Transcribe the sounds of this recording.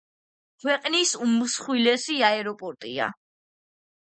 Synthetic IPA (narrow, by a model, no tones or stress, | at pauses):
kʰwɛqʼnisumsχwilɛsiaɛɾɔpʼɔɾt̪ʼḭa̰